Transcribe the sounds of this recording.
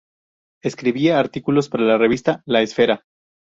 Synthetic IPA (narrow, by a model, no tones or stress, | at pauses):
eskɾiβieaɾt̪ikulo̞spaɾalare̞β̞ist̪alaesfe̞ɾa